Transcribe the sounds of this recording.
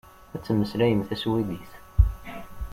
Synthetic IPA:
æt͡sːəmːəslæjəmθæswiðiθ

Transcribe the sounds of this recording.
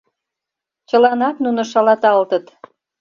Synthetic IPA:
t͡ɕə̆lɑnɑt̪nunŏʃɑlɑt̪ɑlt̪ət̪

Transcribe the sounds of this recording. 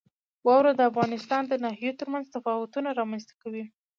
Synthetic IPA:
wɑwɾad̪əafɣɑnɪst̪ɑnd̪ənɑɦijet̪əɾmanzt̪afɑwʊt̪unaɾɑmanzt̪ḁkawi

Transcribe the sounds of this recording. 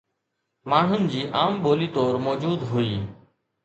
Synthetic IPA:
maːɳ̤ʊnd͡ʑiːʔaːmɓoːliːt̪oːɾmoːd͡ʒuːd̪ɦʊiː

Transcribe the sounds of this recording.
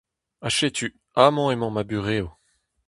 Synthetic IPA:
aʃet̪y | amɔ̃emɑ̃mabyʁeːo

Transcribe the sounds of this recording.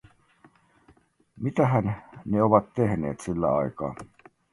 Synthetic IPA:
mit̪æɦænneoʋɑt̪t̪ehnḛːt̪silːæ̰ɑikɑ̰ː

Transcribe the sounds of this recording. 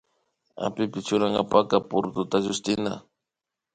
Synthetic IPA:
a̰pɪpɪt͡ʃʊɾaŋɡapakapʊɾt̪ʊt̪aʒʊst̪ɪna̰

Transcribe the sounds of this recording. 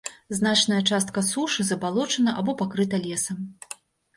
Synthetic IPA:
znat͡ʂnɐjɐt͡ʂast̪̚kɐsuʂɨzɐbalˠɔt͡ʂɐnɐʔabɔpakɾɨt̪ɐlʲɛsɐm

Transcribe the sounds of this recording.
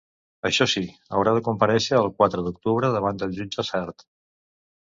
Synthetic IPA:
əʃɔsiə̰wɾaðəkumpəɾɛʃəːlˠkwat̪ɾəðuk̚t̪uβɾəðəβ̞and̪əlˠʒud͡ʒəsɛɾt̪

